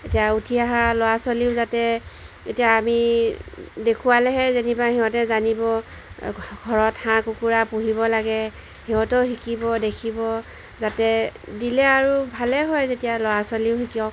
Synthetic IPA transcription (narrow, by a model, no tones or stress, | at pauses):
etijautʰiaɦalɔwasoliʊzatɛ | etijaːmi | dekʰuwalɛɦɛzenibahiɦɔtɛzanibɔ | ɡʱɔɹɔthãkukuɹapuɦibɔlaɡɛ | hiɦɔtɔɦikibɔdekʰibɔ | zatɛdilɛaɹubʱalɛɦɔjzetijalɔwasoliʊɦikiɔk